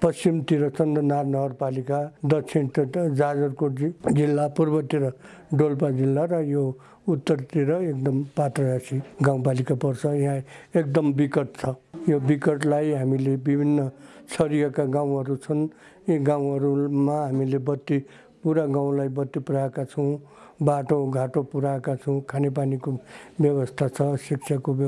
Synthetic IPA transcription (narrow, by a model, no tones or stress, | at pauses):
pʌst͡simt̪iɾʌt͡sʰʌnd̪ʌnarnʌɡʌrpalikad̪ʌt͡sʰint̪d͡zad͡zʌrkod͡zilːapurbʌt̪iɾʌ | ɖolpad͡zilːaɾʌjo | ut̪ːʌrt̪iɾʌekd̪ʌmpat̪rʌasiɡãw̃palikapʌrt͡sʰʌjɦãek̚d̪ʌmbikʌʈ̚t͡sʰʌjobikʌʈlajɦamilebibʱinːʌsʌɾijʌkaɡãw̃ɦʌɾut͡sʰʌn | jĩɡãw̃ɦʌɾumaɦamilebʌt̪ːi | puɾaɡãw̃lajbʌt̪ːipuɾaekat͡sʰʌw̃ | baʈoɡʱaʈopuɾaekat͡sʰʌw̃kʰanep̬anikobjʌwʌst̪ʰat͡sʰʌsik̚t͡sʰakob